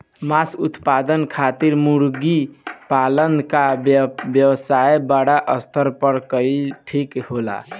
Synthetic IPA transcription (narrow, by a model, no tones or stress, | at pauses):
masut̪pad̪ənkʰat̪iɾmuɾɡipalənkabjəwsajbaɽaʔəst̪ʰəɾpəɾkəiʈʰikhola̰